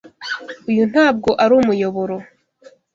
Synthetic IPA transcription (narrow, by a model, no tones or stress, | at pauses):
ujun̥haːb̚ɡo̞ʔaɾuːmujo̞βoɾo